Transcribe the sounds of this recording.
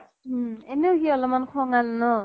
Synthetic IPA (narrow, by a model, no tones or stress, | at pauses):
enewɦiɔlɔmankʰɔŋalnɔ